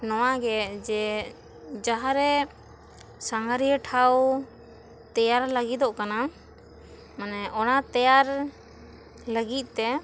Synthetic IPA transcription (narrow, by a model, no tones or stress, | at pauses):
nɔwaɡɛd͡ʒɛ | d͡ʒaɦaɾɛ | saŋɡaɾiəʈʰaw | t̪ɛjaɾləɡid̪ɔʔkana | manɛʔɔnat̪ɛjaɾ | ləɡit̪̚ˀt̪ɛ